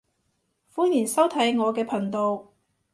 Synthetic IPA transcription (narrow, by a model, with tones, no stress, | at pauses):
fuː˥njiː˨˩nsɐ˥wt̪ʰɐ˨˥jŋɔː˨˧kɛː˧pʰɐ˨˩ŋt̪o˨˧w